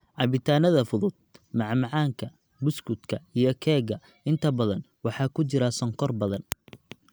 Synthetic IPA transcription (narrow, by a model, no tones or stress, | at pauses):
ʕɑβɪt̪ʰaːnɐðɐfʊðʊd̪̥̚mɑʕmɑʕɑːŋkʰɐ | bʊskʰʊd̪kʰɐijɞkʰɛːɣɐ | ɪnt̪ʰɐbɐðɐn | wɑħɑːkʰʊt͡ʃɪɾasɔŋkʰɔrbɐðɐn